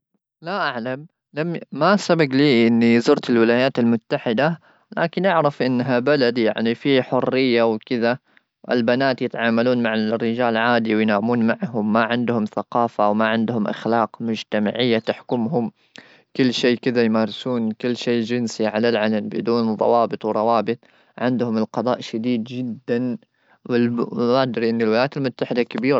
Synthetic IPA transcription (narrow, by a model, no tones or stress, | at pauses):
laʔaʕlam | lamːmasabaɡliːʔɪnːizʊɾt̪ɪlwɪlaːjaːt̪almʊt̪ːaħɪd̪a | laːkɪnʔaʕɾˤɑfʔɪnːɦabalad̪ja̰ʕnifiħʊrːɪjːawkɪða | ʔɪ̰lbanaːt̪jɪt̪ʕaːmaluːnmaʕarːɪd͡ʒaːlʕaːd̪iwɪjnaːmuːnmaʕɦʊmːaʕɪnd̪hʊmθaqɑːfawmaʕɪnd̪hʊmʔa̰xlɑːqmʊd͡ʒt̪ama̰ʕɪjːat̪aħkʊmɦʊm | kɪlːʃeːʔkɪðajmaːɾˤɪsuːnkɪlːʃeːʔd͡ʒɪnsiʕalalʕalambɪ̰d̪uːnðˤɑ̰wɑːbɨt̪ˤwɾˤɑwɑːbɨt̪ˤ | ʕɪnd̪hʊmɪlqɑd̪ˤɑ̰ːʔʃad̪iːd̪d͡ʒɪd̪ːan | wɪlmaʔd̪ɾiʔɪnːɪlwɪlajaːt̪almʊt̪ːaħɪd̪akabiːɾ